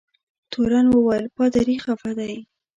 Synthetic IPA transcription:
t̪ʰoɾanwəwajlpɑd̪aɾixafad̪aj

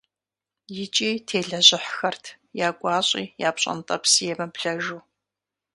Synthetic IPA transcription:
jɪt͡ʃʼiːtʰeːɮɐʑɪħxɐrtʰ | jaːɡʷʼɑːɕʼḭːjaːpɕʼɐ̰ntʼɐ̰psijɛmɐbɮɐʒuː

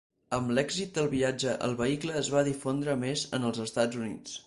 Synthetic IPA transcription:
əmlɛɡzit̪̚d̪əlˠβiad͡ʒəʔə̰lˠβəikləːzβaðifond̪ɾəmezənəlˠzəst̪ad͡zunḭt͡s

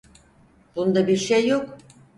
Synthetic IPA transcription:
b̥und̪abiɾʃejːok

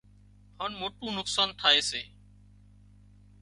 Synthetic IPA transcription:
haːnmoːʈũːnʊksaːnt̪ʰaːeːseː

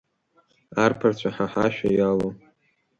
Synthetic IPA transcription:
arpʰart͡ɕʷʰaħaħaʃᶣajalo

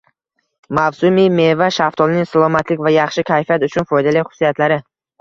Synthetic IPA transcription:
mavsʊmijme̞vaʃaft̪ʰɒlnɪŋsalˠɒmat̪ʰlɪkʲvajɑχʃɪkʲʰajfijat̪ʊt͡ʃʰʊnfɒjd̪alɪjχʊ̥sːijat̪laɾɪ

